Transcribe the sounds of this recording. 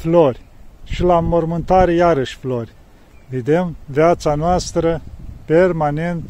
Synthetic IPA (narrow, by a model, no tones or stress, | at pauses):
flo̞rʲʃilamormɨnt̪aɾejaɾəʃʲflo̞rʲ | ved̪emveat̪sanoast̪ɾəpe̞rmane̞nt̪